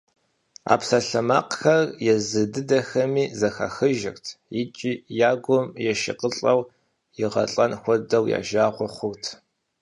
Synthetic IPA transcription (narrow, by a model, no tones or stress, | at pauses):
a̰ːpsɐɬɐma̰ːqxɐrjɛzɨdɨdɐxɐmiːzɐxa̰ːxɨʒɪrtʰjɪt͡ʃʼiːjaːɡʷɔmjɛʃɪ̰qəɬʼɐw | jɪʁɐ̰ɬʼɐnxʷɔdɐwja̰ːʒaːʁʷʊχʷʊtʰ